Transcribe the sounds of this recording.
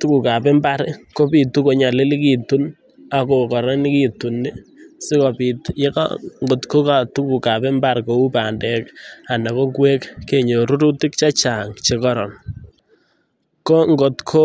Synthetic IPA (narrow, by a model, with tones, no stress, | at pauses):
tu˦ku˨ka˨pɛ˦mba˦ɾko˦pi˨tu˦ko˨ɲa˨lɪ˦li˦ki˨tu˦n | a˨ko˨kɔ˨ɾɛ˦nɪ˦ki˦tu˨nːi˦sɪ˦kɔ˨pi˨tje˦ka̰ŋɡo˨tko˦ka˨tu˦ku˨ka˨pɛ˦mba˦ɾko˨u˦pa˨ndɛ˨ka˨na˨kɔ˦ŋɡwe˦kːe˨ɲo˨ɾu˦ɾu˦ti˦k̚t͡ʃa˦t͡ʃa˨ŋt͡ʃe˨kɔ˦ɾɔ˨n | ko˦ŋɡo˨tkʰo˦